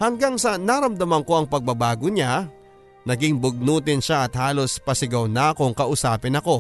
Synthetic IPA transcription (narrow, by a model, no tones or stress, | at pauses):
hɐŋɡaŋsɐnaɾɐmd̪ɐmɐŋko̞ʔɐŋpɐɡ̚bɐɡbaːɡoɲa | nɐɡɪŋbʊɡ̚nuːt̪̬ɪnʃaʔɐt̪̚haːlo̞spɐsɪɡɐwnakoŋkɐʔʊsaːpɪnɐko̞